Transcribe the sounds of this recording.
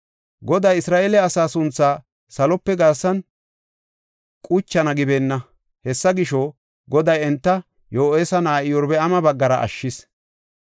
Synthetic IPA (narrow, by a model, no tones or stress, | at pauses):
ɡɔd̪ɐjɪsɾaːʔeːlɛɐsaːsʊnt͡sːaː | sɐlɔpːɛɡɐɾsːɐn | kʼʊt͡ʃːɐnɐɡɪbe̞ːnːɐ | hɛsːɐɡɪʃɔ | ɡɔd̪ɐjɛnt̪ːɐ | joːʔeːsɐnaːʔɪjɔɾbɛɐmɐbɐɡːɐɾɐ̰ʔɐ̰ʃːɪs